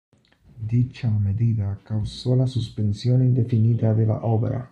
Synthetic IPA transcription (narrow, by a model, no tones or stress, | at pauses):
d̪it͡ʃameðiðakawsolasuspensjonind̪efiniðaðela̰ʔoβeɾa̰